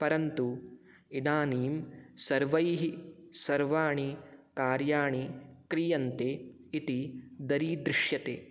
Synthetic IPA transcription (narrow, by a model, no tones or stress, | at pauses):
pɐɾɐnt̪u | inaːniːmsɐɾʋɐjɦisɐɾʋaːɳikaːɾjaːɳikɾijɐnt̪eː | it̪id̪ɐɾiːd̪ɾɪʂjɐt̪ḛː